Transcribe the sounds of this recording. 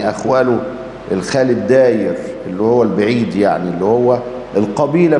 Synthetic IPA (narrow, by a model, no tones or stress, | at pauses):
ʔæxwæːlo | elxæːlɪd̪ːæːjɪɾʔelːihowːælbaʕiːd̪jaʕnielːihowːæ | elqɑbiːlæ